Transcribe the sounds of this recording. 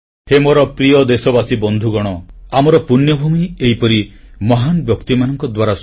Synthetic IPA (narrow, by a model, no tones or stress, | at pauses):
hemoɾɔpɾijɔd̪esɔbasibɔnd̪ʱuɡɔɽ̃ɔamɔɾɔpunjɔbʱumieɦipɔɾi | mɔɦanbjɔkt̪imanɔŋkɔd̪waɾas